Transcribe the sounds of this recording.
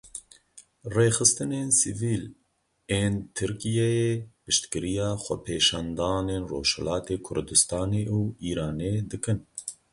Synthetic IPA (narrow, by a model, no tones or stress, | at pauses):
reːxɨst̪ɨneːnsiviːl | eːnt̪ʰɨɾkijɛjeːpɨʃt̪kɨɾijɑːxʷɛpʰeːʃɑːnd̪ɑːneːnro̰ːʃhɛ̰lɑːt̪eːkʰʊ̰ɾd̪ɨst̪ɑːneːʔuːiːɾɑːneːd̪ɨkɨn